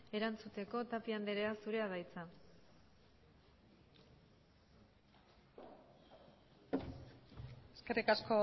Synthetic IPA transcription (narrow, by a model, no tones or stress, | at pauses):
e̞ɾant͡sut̪e̞ko̞t̪apiand̪eɾeasuɾe̞aðajt͡sa | eske̞rikasko̞